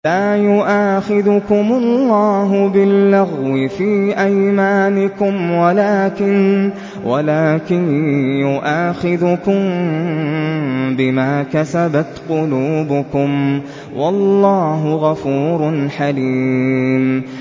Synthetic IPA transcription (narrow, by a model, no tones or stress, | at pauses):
laːjʊʔaːxɪðʊkʊmʊllːɑːɦʊbɪlːaɣwɪfiːʔajmaːnɪkʊmwalaːkɪn | walaːkɪnjʊʔaːxɪðʊkʊm | bɪmaːkasabat̪qʊluːbʊkʊm | wɑlːɑːɦʊɣafuːɾʊnħaliːm